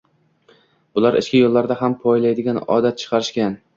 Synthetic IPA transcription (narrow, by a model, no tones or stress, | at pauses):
b̥ʊlaɾɪ̰t͡ʃkʲɪjolˠːaɾd̪aɦampʰɒjlajd̪ɪɡʲanɒ̰d̪at̪̚t͡ʃʰɨ̥qʰɑɾɪʃkʲan